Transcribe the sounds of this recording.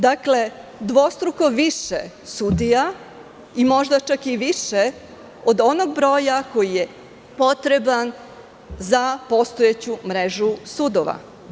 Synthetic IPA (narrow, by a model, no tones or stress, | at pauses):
d̪akle̞d̪ʋo̞st̪ɾuko̞ʋiʃe | sud̪ija | imo̞ʒd̪at͡ʃakiʋiʃe | o̞d̪o̞noɡbɾo̞ːjako̞jije | po̞t̪ɾe̞ban | zapo̞st̪oet͡ɕumɾeʒusud̪oʋa̰